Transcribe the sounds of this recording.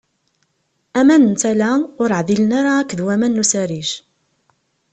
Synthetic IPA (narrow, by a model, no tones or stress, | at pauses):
æmænənt͡s̪ælaʊɾʕðilənaɾaækʷːðwæmænːusæɾiʒ